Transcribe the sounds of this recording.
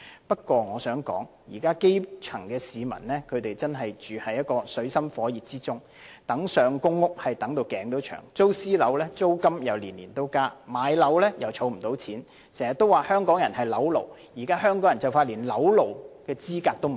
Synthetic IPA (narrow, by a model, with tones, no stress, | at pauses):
pɐ˥t̚kʷɔː˧ŋɔː˨˧sœː˨˥ŋkɔ̰ː˨˥ŋ | jḭː˨˩kaː˥ke˥jt͡ʃʰɐ˨˩ŋkɛː˧siː˨˧mɐ̰˨˩nlɛː˥kʰɵ˨˧ɥt̪e˨jt͡sɐ˥nɦɐ˨jt͡ʃyː˨hɐ˨jːɐ˥t̚kɔː˧sɵ˨˥ɥsɐ˥mfɔː˨˥jiː˨t̚t͡siː˥t͡sʊ˥ŋ | t̪ɐ˨˥ŋsœː˨ŋkʊ˥ŋːʊ˥k̚hɐ˨jt̪ɐ˨˥ŋt̪o˧wkɛː˨˥ŋt̪o˨˥wt͡ʃʰœ̰ː˨˩ŋt͡so˥wsiː˥lɐ˨˧˥wlɛː˥t͡so˥wkɐ˥mjɐ˨wliː˨˩nliː˨˩nt̪o˥wkaː˥maː˨˧jlɐ˨˥wlɛː˥jɐ˨wt͡ʃʰo˨˧˥wm̩˨˩t̪o˨˧˥wt͡sʰiː˨˥n | sɛː˨˩jɐ˨t̪ːo˥waː˨˩hœː˥ŋkɔː˨˥ŋjɐ˨˩nhɐ˨jlɐ˨˥wlo̰˨w | jiː˨˩kaː˥ɦœː˥ŋkɔː˨˥ŋjɐ˨˩nt͡sɐ˨wfaː˧t̚liː˨˩nlɐ˨˥wlo˨wkɛː˧t͡siː˥kaː˧k̚t̪o˥wm˨